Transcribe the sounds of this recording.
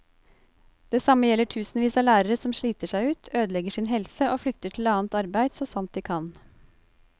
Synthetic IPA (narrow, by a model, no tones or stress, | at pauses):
d̪̥eːsɑməjɛlːəʈʰʉːsn̩ʋiːsɑːlæːɾəɾəsɔmʃɭiːt̪əʂæɪʉːt̪ʰøːd̪lɛɡəʂɪnɦɛlsəʔoːflʏkt̪əʈʰɪlɑːənt̪ɑɾbæɪd̪soːsɑmt̪̚d̪iːkʰɑn